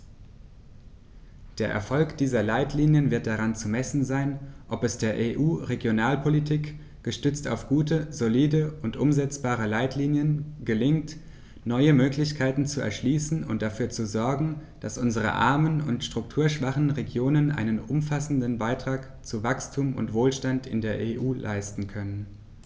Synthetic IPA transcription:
d̥eːɐʔɛ̰ɐfɔlkd̥iːzɐlaɪtʰliːnjənvɪɐt̚d̥aʁant͡sumɛsn̩zaɪnʔɔpɛsd̥eːɐʔeːʔuːʁeɡjonaːlpʰolitʰiːk | ɡ̥əʃtʏt͡sta̰ʊfɡ̥uːtəzoliːdəʊntʔʊmzɛt͡sb̥aːʁ̞əlaɪtliːnjənɡəlɪŋt | nɔʏəmøːklɪçkʰaɪtn̩t͡suɛ̰ɐʃliːsn̩ʊ̰nt̚d̥afyːɐt͡suzɔɐɡŋ̩d̥asʔʊnzəʁ̞ə̰ʔa̰ɐmənʊ̰ntʃtʁ̥ʊktʰuːɐʃv̥aχn̩ʁeɡjoːnənʔa̰ɪnənʔʊmfasn̩dənbaɪtʁ̥aːk | t͡suvakstʰuːmʊ̰ntv̥oːlʃtantɪ̰ndeːɐʔeːʔuːlʔa̰ɪstn̩kʰœnən

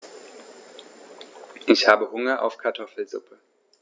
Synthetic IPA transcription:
ʔɪçhaːbəhʊŋɐʔa̰ʊfkʰaɐtʰɔfl̩zʊ̰pʰə

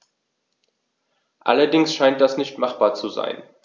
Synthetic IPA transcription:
ʔa̰lɐdɪŋsʃaɪnt̚d̥asnɪçtmaχb̥aːɐt͡suza̰ɪn

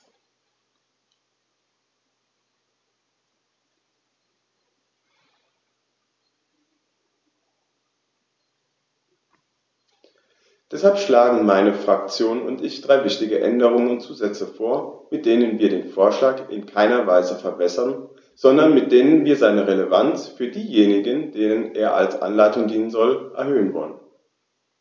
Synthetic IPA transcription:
d̥ɛshalpʃlaːɡŋ̩maɪnəfʁ̥akt͡sjoːnʊ̰ntɪçd̥ʁaɪvɪçtɪɡəʔɛ̰ndəʁ̞ʊŋənʊntt͡suːzɛt͡səfoːɐmɪt̚d̥eːnənviːɐɾeːnfoːɐʃlaːkʔɪ̰nkʰaɪnɐvaɪzəfɛɐbɛsɐn | z̥ɔndɐnmɪt̚d̥eːnənviːɐzaɪnəʁeləvant͡sfyːɐdiːjeːnɪɡənd̥eːnənʔeːɐʔa̰lsʔa̰nlaɪtʊŋdiːnənzɔlʔɛɐhøːənvɔ̰lən

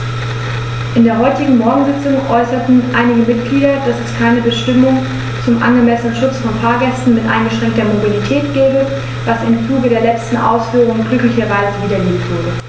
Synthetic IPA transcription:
ʔɪndeːɐɦɔʏtɪɡŋ̩mɔɐɡŋ̩zɪt͡sʊŋʔɔʏsɐtn̩ʔa̰ɪnɪɡəmɪtɡ̥liːɾɐd̥asɛskʰaɪnəbəʃtɪmʊŋ | t͡sʊmʔa̰nɡəmɛsənənʃʊt͡sfɔnfaːɐɡɛstn̩mɪtʔa̰ɪnɡəʃʁ̥ɛŋk̚tɐmobilitʰɛːtɡ̥ɛːbə | v̥asɪmt͡suːɡədeːɐlɛt͡stn̩ʔa̰ʊsfyːʁ̞ʊŋəɡlʏklɪçɐvaɪzəviːdɐleːmtv̥ʊɐdə

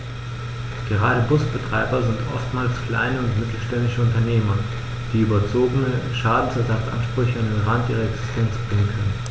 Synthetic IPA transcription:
ɡ̥əʁaːɾəbʊsb̥ətʁ̥aɪbɐzɪntʔɔ̰ftmaːlskl̥a̰ɪnəʊntmɪtʰl̩ʃtɛndɪʃəʊntɐneːmɐ | d̥iːyːbɐt͡soːɡənəʃaːdn̩sɛɐzat͡sʔa̰nʃpʁ̥ʏçəandenʁantʔiːʁɐɛksɪ̥stʰɛnt͡sb̥ʁɪŋənkʰœnən

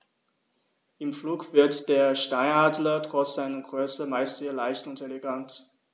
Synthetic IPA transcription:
ʔɪmfluːkv̥ɪɐtd̥eːɐʃtaɪnaːdlɐdʁɔsz̥aɪnənɡ̥ʁœsəmaɪstz̥eːɐlaɪçtʊntelɛɡant

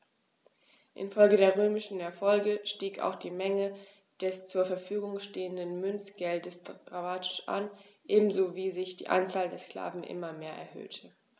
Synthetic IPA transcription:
ʔɪ̰nfɔlɡədeːɐʁ̞øːmɪʃn̩ɛɐfɔlɡəʃtiːka̰ʊxd̥iːmɛŋə | d̥ɛst͡suːɐfɛɐfyːɡʊŋʃteːəndənmʏnt͡sɡ̥ɛldəsd̥ʁamaːtʰɪ̥ʃʔa̰nʔeːbm̩zoːviːzɪçd̥ḭːʔa̰nt͡saːldeːɐskl̥a̰ːvn̩ʔɪ̰mɐmeːɐʔɛ̰ɐhɦø̰ːtʰə

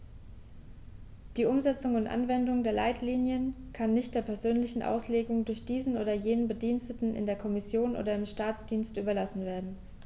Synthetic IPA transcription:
d̥iːʔʊmzɛt͡sʊŋʊntʔa̰nvɛndʊŋdeːɐlaɪtʰliːnjən | kʰanːɪçt̚d̥eːɐpʰɛɐzøːnlɪçn̩ʔa̰ʊsleːɡʊŋdʊɐçd̥iːzn̩ʔoːdɐjeːnənbədiːnstətn̩ʔɪ̰ndeːɐkʰɔmɪsjoːnʔo̰ːdɐɪmʃtaːt͡sd̥iːnstʔyːbɐlasn̩veːɐdn̩

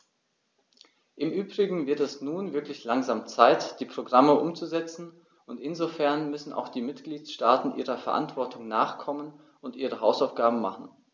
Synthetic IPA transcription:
ʔɪmʔyːbʁɪɡŋ̩vɪɐtɛsnuːnvɪɐklɪçlaŋzaːmt͡saɪtd̥iːpʁ̥oɡʁaməʔʊmt͡suzɛt͡sn̩ | ʔʊntɪnzofɛɐnmʏsn̩ʔa̰ʊxd̥iːmɪtɡ̥liːtʃtaːtn̩ʔiːʁɐfɛɐʔa̰ntv̥ɔɐtʰʊŋnaːχkʰɔmən | ʔʊntʔiːʁəɦaʊsaʊfɡ̥aːbm̩ma̰χn̩

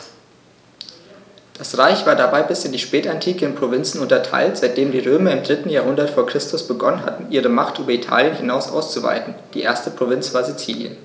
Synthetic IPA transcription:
d̥asʁaɪçv̥aːɐdabaɪbɪsɪndiːʃpɛːtantʰiːkəɪnpʁ̥ovɪnt͡sn̩ʊntɐtʰa̰ɪltz̥aɪt̚d̥eːmdiːʁøːmɐɪmdʁɪtn̩jaːɐɦʊndɐtfoːɐkʁ̥ɪstʰʊsb̥əɡɔnənɦa̰tn̩ʔiːʁ̞əmaχtʔyːbɐitʰa̰ːljənhɪnaʊsʔa̰ʊst͡suva̰ɪtn̩d̥iːʔeːɐstəpʁ̥ovɪnt͡sv̥aːɐzit͡siːljə̰n

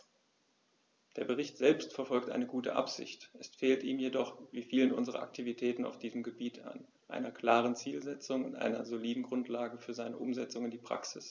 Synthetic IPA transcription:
d̥eːɐbəʁɪçtz̥ɛlpstfɛɐfɔlk̚tʔa̰ɪnəɡuːtə̰ʔa̰pz̥ɪ̰çtʔɛsfeːltiːmjedɔχviːfiːlənʔʊ̰nzəʁɐ̰ʔa̰k̚tʰivitʰɛːtn̩a̰ʊfd̥iːzəmɡəbiːtʰa̰n | ʔa̰ɪnɐkl̥aːʁ̞ənt͡siːlzɛt͡sʊŋʊntʔa̰ɪnɐzoliːdn̩ɡʁʊntlaːɡəfyːɐzaɪnəʔʊmzɛt͡sʊŋɪndiːpʁ̥a̰ksɪs

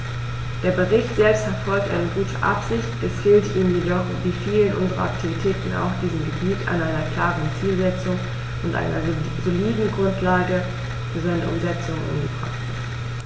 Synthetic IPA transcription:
d̥eːɐbəʁɪçtz̥ɛlpstfɛɐfɔlk̚tʔa̰ɪnəɡuːtʰəʔa̰pz̥ɪçtɛsɡ̥ɪltiːmmjedɔχviːfiːlənʔʊ̰nzəʁɐ̰ʔa̰k̚tʰivitʰɛːtn̩a̰ʊxd̥iːzəmɡəbiːtʔa̰ɪnʔaɪnɐkl̥aːʁənt͡siːlzɛt͡sʊŋ | ʊntʔa̰ɪnɐ̰zoliːdn̩ɡʁʊntʰlaːɡə | fzaɪnəʔʊ̰mzɛt͡sʊŋʔa̰nɡəbʁa̰χtɪ

